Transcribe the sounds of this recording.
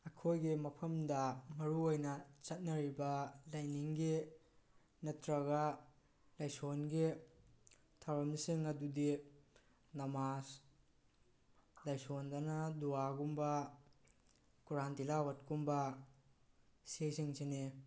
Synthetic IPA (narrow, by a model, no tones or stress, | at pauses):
ɐkʰojɡimɐpʰɐmdɐmɐɾuojnɐt͡ʃɐt̚nɐɾibɐlajniŋɡi | nɐtɾɐɡɐ | lajsonɡi | tʰawɾɐmlisiŋɐdudi | nɐmas | lajsondɐnɐduwaɡumbɐ | kuɾantilawɐt̚kumbɐ | sejsiŋsine